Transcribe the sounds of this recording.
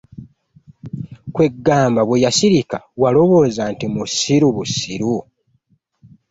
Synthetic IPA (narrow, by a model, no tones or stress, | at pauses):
kwe̞ɡːaːmbaβwejasiɾika̰walo̞βo̞ːzantimusːiɾuβusːiɾu